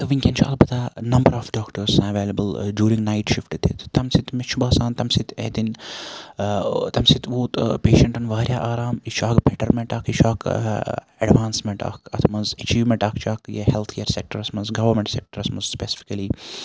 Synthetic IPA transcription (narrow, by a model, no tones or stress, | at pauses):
t̪ɐʋiŋkʲent͡ʃʰɐ̰lbɐt̪anɐmbɐɾaːfɖaːkʈɐɾsãɐʋeːlɐbəlɖjuːɾĩŋɡnajʈʃifʈed̪ʰet̪t̪ɐmsit̪meʃʰubɐːsaːnt̪ɐmsit̪ḛd̪in | t̪ɐmsit̪ʰʋoːt̪peːʃɐ̃ɳʈɐnʋaːɾjaːʔaːɾaːmiʃaːɡbeʈɐɾmeɳʈaːkʰiʃaːk | ɐɖʋaːnsmeɳʈa̰ːkʰɐt̪ʰmɐnzɐt͡ʃiːʋmẽɳʈaːkt͡ʃʰaːkjɐ̰hɛlt̪ʰkʰeːɾsek̚ʈɐɾɐsmɐnzɡɐʋɐɾmeɳʈsek̚ʈɐɾɐsmɐ̃nzspesɪ̥fi̥kɐliː